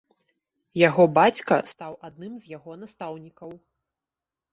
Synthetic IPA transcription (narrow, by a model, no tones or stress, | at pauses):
jaɣɔbat͡sʲkɐ̰st̪awʔad̪̚nɨmzʲjaɣɔnast̪awnʲikɐw